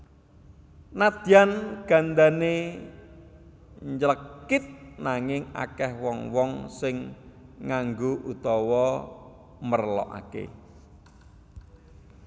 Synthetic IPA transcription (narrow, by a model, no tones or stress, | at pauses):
nad̪̥ianɡ̥a̤nd̪ane | ɲd͡ʒləkːɪt̪̚naŋɪŋa̰kɛhwɔŋwɔŋsɪŋː | aŋɡoʔut̪ɔwɔ | mərlɔ̰ʔa̰kḛ